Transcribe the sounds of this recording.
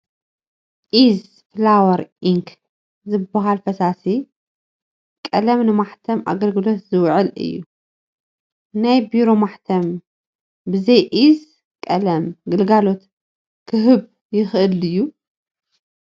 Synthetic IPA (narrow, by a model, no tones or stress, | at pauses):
ʔiz | flawɐɾʔiŋk | zɨbːaɦalfɐsasi | kʼɐlɐmnɨmaħt̪ʰɐmʔa̰ɡɐlɡɨlo̞t̪zɨwʕɨlɨ̰jːu | najbiɾo̞maħt̪ʰɐm | bɨzɐjʔiz | kʼɐlɐmɡɨlɡalo̞t̪ | kʰɨɦɨβ | jɪxʔɨlɨjːu